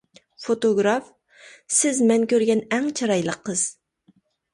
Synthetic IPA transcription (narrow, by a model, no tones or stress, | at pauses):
fot̪oɡɾɑf | sɪzmɛŋkʲøɾɡʲɛnɛŋt͡ʃʰɑɾɑjlˠəqːəz̥